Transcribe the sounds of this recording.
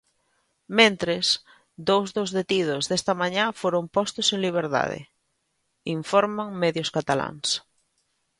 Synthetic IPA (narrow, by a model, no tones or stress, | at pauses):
mẽnt̪ɾes | d̪owzðozðet̪iðʊzðest̪ɐmaɲafoɾompɔst̪ʊseŋliβ̞eɾða̰ðḛ | iɱfɔɾmaŋmɛðjʊskat̪ala̰ŋs